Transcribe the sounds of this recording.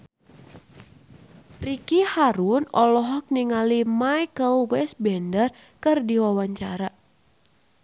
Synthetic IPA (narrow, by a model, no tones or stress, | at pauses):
rikihaɾunɔlɔɦɔk̚niŋalimajkəlwɛs̚bɛndər | kɨrdiwawaɲt͡ʃaɾa